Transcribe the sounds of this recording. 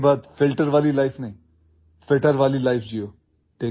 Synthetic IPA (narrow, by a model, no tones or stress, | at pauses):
baːd̪fɪlʈəɾʋaːlilaːɪfnaɦĩː | feʈəɾʋaːlilaɪfʰd͡ʒijoː | ʈẽ